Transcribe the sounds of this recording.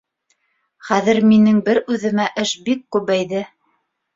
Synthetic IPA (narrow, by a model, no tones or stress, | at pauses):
χæðɘ̆ɾminɘŋbɘɾʉðɘ̆mæʔɘʃbikːʉβæjðɘ